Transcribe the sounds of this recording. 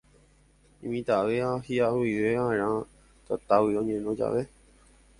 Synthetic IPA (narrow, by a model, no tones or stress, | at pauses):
ĩmĩt̪aʋeahiawiʋeãɾ̃ã | t̪at̪awiõɲẽnõd͡ʒa̰ʋe